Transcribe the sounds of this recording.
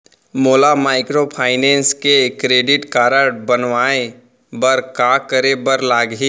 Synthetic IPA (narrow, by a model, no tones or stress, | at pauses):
moːlamaːɪkɾopʰaːɪnẽːnskekɾeːɖɪʈkaːɾəɾbənʋaːe | bəɾkaːkəɾebəɾlaːɡɦi